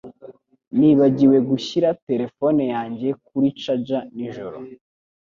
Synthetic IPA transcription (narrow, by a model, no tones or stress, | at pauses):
niːβaɟiwe̞ɡuçiɾate̞ɾe̞fone̞jaːɲɟe̞k̚uɾit͡ʃad͡ʒaniʒoɾo̰